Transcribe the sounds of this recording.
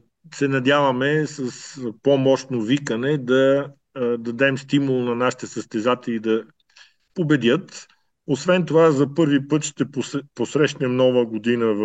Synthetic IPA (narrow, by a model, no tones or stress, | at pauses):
sɛnɐd̪javəmɛsɐspomɔʃt̪novikənɛd̪ɐ | d̪ɐd̪ɛmst̪imulˠnɐnaʃi̥t̪ɛsəst̪ɛzat̪ɛlid̪ɐ | pobɛd̪ʲjət̪ | osvɛnt̪ovazɐpɤɾvipɤt̪ʃt̪ɛpposɾɛʃnɛmnɔvəɡod̪inəv